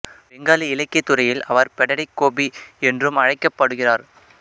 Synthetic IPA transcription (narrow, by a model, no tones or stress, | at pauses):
ʋɛŋɡaːliɪlɐɪkːɐɪt̪ːɯrɐjɪlɐʋɐɾpɛɽɐɽɐɪkːoːbiɛndrɯmɐɻɐɪkːɐpːɐɽɯɣɪraːɾ